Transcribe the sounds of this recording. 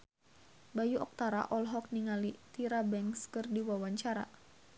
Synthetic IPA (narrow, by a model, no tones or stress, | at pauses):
bajuʔɔk̚t̪aɾa̰ʔɔlɦɔk̚niŋalit̪iɾabɛŋskərdiwawaɲt͡ʃaɾa̰